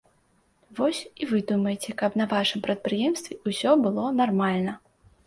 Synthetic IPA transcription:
vɔsʲivɨd̪umɐjet͡sʲɛkɐpnɐvaʂɨmpɾɐt̪̚pɾɨjɛmst̪vʲɛusʲɔbɨlˠɔnarmalʲnɐ

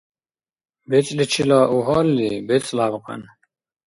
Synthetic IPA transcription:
bet͡slit͡ɕʰilaːʔuɦɔːlːibet͡slaːbqɑ̰n

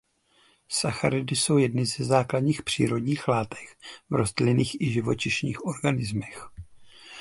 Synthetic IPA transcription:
saxaɾɪdɪso̞wjɛdnɪzɛzaːkladɲiːxpr̝̥ḭːɾo̞dɲiːxlaːt̪ɛ̥xvɾo̞zt̪lɪniːxʔɪʒɪvo̞t͡ʃɪʃɲḭːxʔo̞ɾɡanɪzmɛx

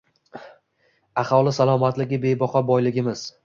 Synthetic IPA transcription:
ahɒlˠɪsalˠɒmat̪lɪɡʲɪbe̞jbɒqɒbɒjlɪɡʲɪmɪz̥

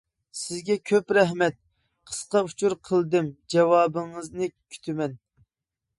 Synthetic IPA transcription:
sɪzɡʲɛkʲʰøpɾɛɦmɛt̪̚ | qʰə̥sqɑut͡ʃʰuɾqʰəlˠd̪ɨmd͡ʒɛwɑːbɨŋəznɨkʲʰy̥t̪ʰɪmɛn

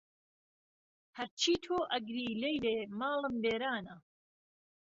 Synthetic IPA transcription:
hɐɾt͡ʃʰiːt̪ʰoːʔɐɡɾiːlejleːmaːlɨmbeːɾaːnɐ

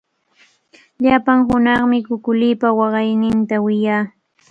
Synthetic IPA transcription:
ʎapaŋɦʊnɑχmɪkʊkʊlɪːpawɑɢɑjnɪnt̪awɪjaː

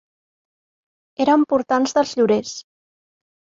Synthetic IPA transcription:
eɾəmpuɾt̪anzðəlˠzʎuɾes

